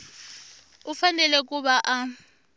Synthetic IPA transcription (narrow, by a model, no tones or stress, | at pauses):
ʊfanɛlɛkʼʊbaʔa